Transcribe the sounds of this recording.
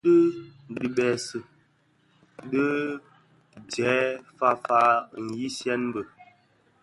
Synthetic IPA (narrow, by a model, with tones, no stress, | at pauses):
də˦di˨bɛ˨sə˨ | də˦ | d͡ʒɛː˨˦fa˦fa˦n̩˨ji˦sjɛ˦nm˦bə˨